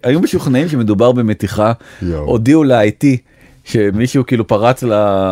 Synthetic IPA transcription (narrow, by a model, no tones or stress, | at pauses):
ajumeʃuχnaimʃe̞me̞dubaʁbeme̞tiχaʔo̰diuleajti | ʃe̞miʃuukiiːlupaʁat͡sla